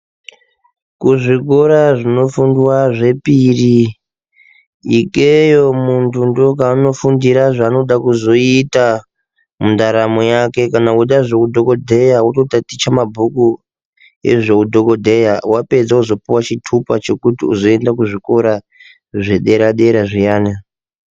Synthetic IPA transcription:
kuʐikoɾaʐino̞fundwaʐe̞piri | ikʼejo̞muntʰundok̬aːno̞fundiɾaʐaːno̞ɗakuzo̞ita | mundaɾamojake̞kanauɗaʐekudʱo̞ko̞dʱejautotatit͡ʃamabʱuku | ḛʐekudʱo̞ko̞dʱe̞jawape̞d͡zauzo̞piwat͡ʃitʰupat͡ʃe̞kutiuzo̞endak̬uʐiko̞ɾa | ʐeɗe̞ɾaɗeɾaʐijaːne

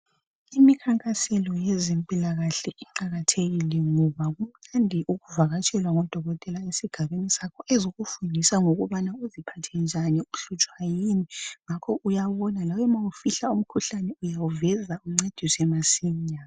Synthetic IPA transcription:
imikʰaŋkʼasɛlɔjɛzempʼilaɣaɬɛɛǃaɣatʰeɣilɛŋɔβaɣum̩nandʱiʔuɣuvaɣat͡ʃʼɛlwaŋɔd̥ʱɔɣɔtʼɛlaesiɡ̥ʱaβenisakʰɔʔezoɣufundʱisaŋoɣuβanauzipʰatʰɛnd͡ʒʱaniuɬut͡ʃʼwajiniŋakʰɔʔujaβɔnalawɛmawufiɬaum̩kʰuɬanɛujawuvɛzauŋ͡ǀed̥ʱisiɛmasiɲama

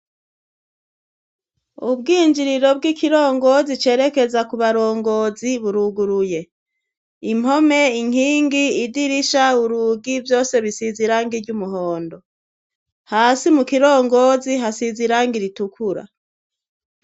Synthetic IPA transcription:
ubɡiːɲd͡ʒiɾiɾobɡikiɾo̞ːŋɡo̞zit͡ʃe̞ːɾe̞ke̞zakuβaɾo̞ːŋɡo̞ːziβuɾuɡuɾuje̞ | im̥ho̞me̞iŋ̥hiːŋɡiːdiɾiʃauɾuːɡivjo̞ːse̞βisiziɾaːŋɡiɾɟumuɦoːndo̞ | haːsimukiɾo̞ːŋɡo̞ːziɦasiziɾaːŋɡiɾitukʰuɾa̰

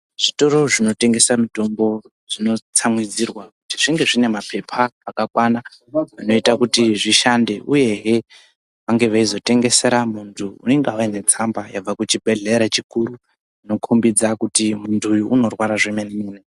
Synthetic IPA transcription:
ʐ̥ito̞ɾo̞ʐino̞te̞ŋɡe̞samito̞mbo̞ | ʐ̥ino̞t͡samwid͡zirwakutiʐiŋɡe̞ʐine̞mapʰe̞pʰaːkakwana | ʋano̞itakutiʐiʃande̞ʔuje̞ɦe | ʋaŋɡe̞ʋaizo̞te̞ŋɡe̞se̞ɾamuntʰuṵneŋɡawaine̞t͡sambajab͡vakut͡ʃibʱe̞ɮeɾat͡ʃikuɾu | ino̞kʰumbid͡zakutimuntʰuːjuʔːno̞rwaɾaʐemenemuːne

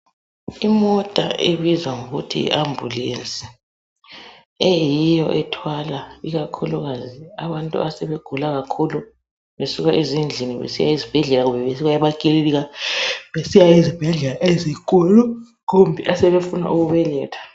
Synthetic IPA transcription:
imɔtʼa̰ʔeβizwaŋoɣutʰḭḭʔambʱulent͡sʼi̥ | ejijɔ̰ʔɛtʰwalaiɣakʰuluɣaziaβantʼṵʔasɛβeɡ̥ʱulaɣ̬akʰulu | βesuɣaʔezind͡ɮʱiniβḛsija̰izib̥ʱɛɮɛlaɣumbɛβesukajaβakʼililiɣaβesijaizib̥ʱɛɮɛlaʔezik̬ʼulu | kombʱiʔasɛβefuna̰ʔuɣuβɛlɛːtʰḁ

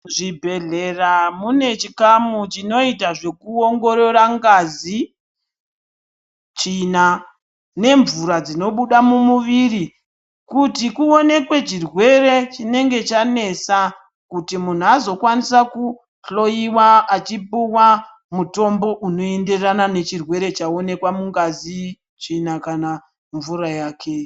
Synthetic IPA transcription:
ʐibʱe̞ɮeramune̞t͡ʃikamut͡ʃino̞itaʐe̞kuoŋɡo̞ɾo̞ɾaŋɡazi | t͡ʃina | ne̞ɱvuɾad͡zino̞ɓuɗamumuʋiri | kutikuone̞kwe̞t͡ʃirwe̞ɾe̞t͡ʃine̞ŋɡe̞t͡ʃane̞sa | kutimun̤uazo̞kwanisaku | ɬo̞jiwaat͡ʃipuwa | muto̞mbo̞ʔuno̞e̞nde̞ranane̞t͡ʃirwe̞ɾe̞t͡ʃao̞ne̞kwamuŋɡazi | t͡ʃinakana | ɱvurajaːkʰe̞

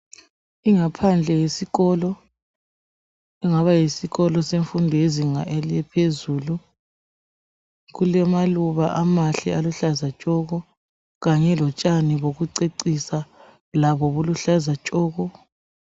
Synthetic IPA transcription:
iŋapʰand͡ɮʱɛjesiɣɔlɔ | ɛŋaβajisiɣɔlɔseɱfundʱɔjeziŋaʔeliɛpʰezuːlu | ɣulɛmaluβaʔamaɬḭaluɬazat͡ʃʼɔɣɔ | ɣaɲɛlɔt͡ʃʼaniβoɣuǀeǀisa | laβɔβuluɬazat͡ʃʼɔːɣɔ

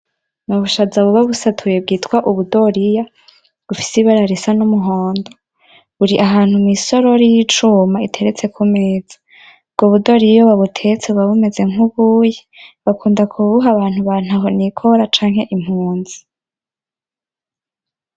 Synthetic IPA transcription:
nuβuʃazaβuβaβusatʰujeb̚ɡiːtkwaʔuβudo̞ɾija | βufi̥siβaɾaɾesanumuɦoːndo | βuɾiʔaɦaːnhumiso̞ɾoɾijit͡ʃumaitʰe̞ɾet͡se̞kʰumeːz̥ḁ | bɡ̥oβudo̞ɾijjoβaβutʰe̞t͡seβaβume̞ze̞ŋuβujeβakuːndakʰuβuɦaβaːn̥huβan̥haɦonikʰoɾat͡ʃaːŋhe̞ʔim̥huːnzi̥

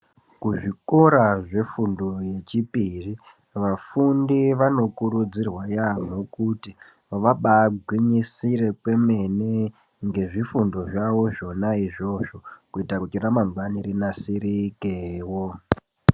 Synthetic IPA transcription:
kuʐiko̞ɾaʐe̞fundo̞je̞t͡ʃipiri | ʋafundiʋano̞kurud͡zirwajam̤okuti | ʋaɓaɡʱwiɲisire̞kwe̞me̞nee | ŋɡe̞ʐifundo̞ʐawo̞ʐo̞naiʐo̞ʐo̞kuitakut͡ʃiɾamaŋɡwaniɾinasirikewo

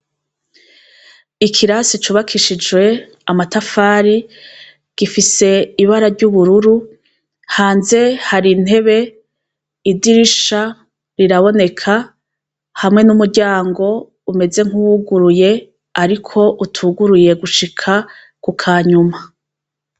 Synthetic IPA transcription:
ikʰiɾasit͡ʃuːβakʰiʃid͡ʒwe̞ | amatafaːɾi | ɡ̥ifise̞iβaɾaɾɟuβuɾuɾu | haːnze̞haɾin̥he̞βe̞ | idiɾiʃa | ɾiɾaβo̞ne̞kʰa | hamŋe̞numuɾɟaːŋɡo̞ | ume̞ze̞ŋ̥huwuɡuɾuje̞ | aɾikʰo̞ʔutʰuɡuɾuje̞ɡuʃikʰa | kukʰaːɲuma

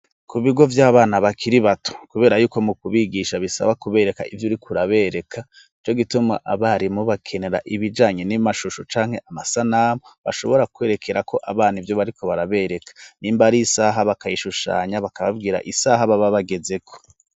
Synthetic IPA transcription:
kuβiɡo̞vjaːβaːnaβakʰiɾiβatu̥kuβe̞ːɾajuːko̞mukuβiɡiʃaβisa̰βakuβe̞ːɾe̞ka̰ʔivjuɾikʰuɾaβe̞ːɾe̞kʰa | it͡ʃo̞ɡituma̰ʔaβaɾimuβakʰe̞ne̞ɾa̰ʔiβid͡ʒaːɲe̞nimaʃuʃot͡ʃaːŋhe̞ʔamasanaːmoβa̰ʃo̞̰βo̞ɾakwe̞ːɾe̞kʰe̞ɾako̞ʔaβaːn̥ivjo̞βaɾikʰo̞βaɾaβe̞ɾe̞kḁniːmbaɾisaɦaβakajiʃuʃa̰ːɲaβakaβavɡiːɾa̰ʔisaɦaβaβaβaɡe̞ze̞kʰo̥

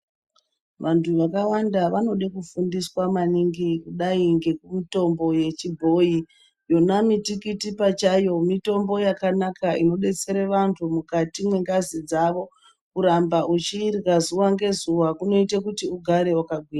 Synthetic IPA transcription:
ʋantʰuʋakawandaʋano̞ɗekufundiswamaniŋɡikuɗaiŋɡe̞kumito̞mbo̞je̞t͡ʃibʱo̞i | jo̞namitikitipat͡ʃajo̞mito̞mbo̞jakanakʰaino̞ɗe̞t͡se̞ɾeʋantʰumukatimwe̞ŋɡazid͡zaʋo̞ | uɾambaʔut͡ʃiːrɣazuwaŋɡe̞zuwakuno̞itakutiuɡʱaɾe̞wakaɡʱwiːra

